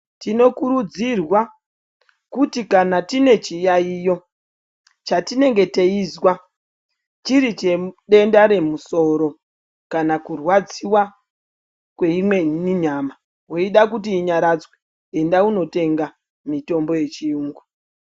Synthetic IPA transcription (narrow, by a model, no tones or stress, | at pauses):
tino̞kuɾud͡zirwa | kutikanatine̞t͡ʃijaijo̞ | t͡ʃatine̞ŋɡe̞teizwa | t͡ʃiɾit͡ʃeɗe̞ndaɾe̞muso̞ɾo̞ | kanakurwad͡ziwa | kwe̞imwe̞niɲaːma | ɦoiɗakut̬iːɲaɾad͡zwe | endauno̞te̞ŋɡa | mito̞mbo̞je̞t͡ʃiuːŋɡu